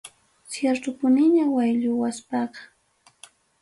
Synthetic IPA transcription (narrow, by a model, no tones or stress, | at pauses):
sjeɾt̪ʊpʊnɪɲawajʎʊwaspɑqɑ̥